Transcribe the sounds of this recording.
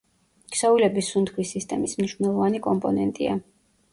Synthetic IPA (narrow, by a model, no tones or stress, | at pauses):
ksɔvilɛbisunt̪χʰwisist̪ʼɛmismniʃvnɛlˠɔvanikʼɔmpʼɔnɛnt̪ʼia̰